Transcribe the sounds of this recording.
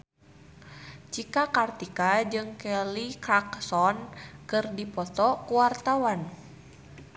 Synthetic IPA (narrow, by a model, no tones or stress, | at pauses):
t͡ʃikakart̪ikad͡ʒɨŋkɛlikɾaksɔnkɨrdipɔt̪ɔkuwart̪awan